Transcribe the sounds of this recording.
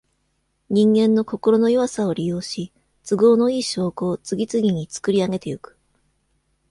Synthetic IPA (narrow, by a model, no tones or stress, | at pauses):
ɲ̟ĩŋɡẽ̞nːo̞ko̞ko̞ɾo̞no̞joβasao̞ɾʲijo̞ːɕi | t͡sɨɡo̞ːno̞iːɕo̞ːko̞ːt͡sɨɡʲit͡sɨɡʲiɲ̟it͡sɨ̥kɯ̟ɾʲiaɡe̞t̪e̞jokɯ̥